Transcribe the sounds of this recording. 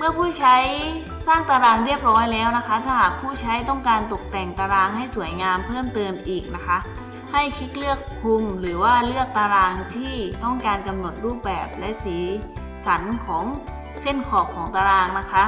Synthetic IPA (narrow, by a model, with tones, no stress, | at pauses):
mɯ˥˩ɐpʰuː˥˩t͡ɕʰa˦˥j | saː˥˩ŋt̪aː˧ɾaː˧ŋɾi˥˩əp̚ɾɔː˦˥jlɛː˦˥wna˦˥kʰa˦˥t̪ʰaː˥˩ɦaː˨˩k̚pʰuː˥˩t͡ɕʰa˦˥jt̪ɔ˥˩ŋkaː˧nt̪o˨˩k̚t̪ɛ˨˩ŋt̪aː˧ɾaː˧ŋɦa˥˩jsu˩˦əjŋaː˧mpʰɤː˥˩mt̪ɤː˧mʔiː˨˩k̚na˦˥kʰa˦˥ʔ | ha˥˩jkʰi˦˥t̪̚lɯ˥˩əkʰːu˧mɾɯː˩˦waː˥˩lɯ˥˩ək̚t̪aː˧ɾaː˧ŋt̪ʰiː˥˩t̪ɔ˥˩ŋkaː˧nka˧mno˨˩t̪̚ɾuː˥˩p̚bɛː˨˩p̚lɛ˦˥ʔsiː˩˦ | sa˩˦nkʰɔː˩˦ŋ | se˥˩nkʰɔː˨˩kʰːɔː˩˦ŋt̪aː˧ɾaː˧ŋna˦˥kʰa˦˥ʔ